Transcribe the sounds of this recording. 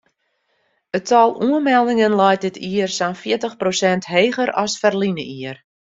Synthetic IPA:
ətɔlˠuənmɛlˠdɪŋənlɛjt̚dɪtʰiərsanfɪətəxprosɛntɦeːɣəɾɔsfərlinəʔiər

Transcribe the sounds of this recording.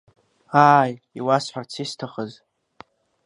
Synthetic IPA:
aːj | iwasħʷart͡sʰistʰaχəz

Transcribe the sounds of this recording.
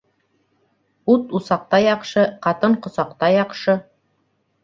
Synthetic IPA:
ut̪usɑq̚t̪ɑjɑqʃɤqɑt̪ɤɴqŏsɑqt̪ɑjɑqʃɤ

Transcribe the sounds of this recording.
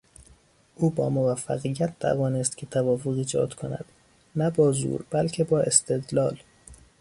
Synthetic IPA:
ʔuːbɒ̰ːmovæfːæ̰ɣijːæt̪̚t̪ʰæ̰vɒːnest̪cʰet̪ʰævɒːfoɣiːd͡ʒɒ̰ːd̪̥kʰonæ̰d̪̥ | næbɒːzṵɾbælcʰebɒːe̞st̪e̞d̪lɒːl

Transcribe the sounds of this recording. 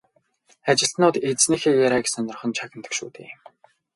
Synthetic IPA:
at͡ɕɪ̆ɬt̪nʊːt̪et͡sniːxeːjaɾaksœnɞ̆rχɞ̆nt͡ɕʰakʲɪ̆nt̪ə̥̆kʃṵːt̪ḛːm

